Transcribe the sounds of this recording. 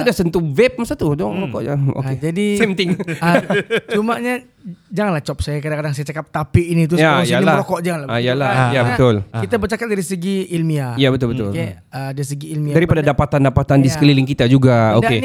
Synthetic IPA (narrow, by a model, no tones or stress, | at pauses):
sudahsənt̪uvɛp̚masat̪udɔŋɾokɔʔd͡ʒao̰ked͡ʒadisɛmt̪ɪŋət͡ʃumaɲa | d͡ʒaŋanlaht͡ʃɔp̚sajakadaŋkadaŋsajat͡ʃakap̚t̪apɪʔinit̪̬usjajanilaɾɔkɔʔd͡ʒaŋanlaajalajabət̪ʊlkit̪abərt͡ʃakap̚daɾisəɡiilmiajabət̪ʊlbət̪ʊ̰lk | ədaɾisəɡiːlmiadaɾippadadapat̪andapat̪andiskəlilɪŋkit̪ad͡ʒuɡaodae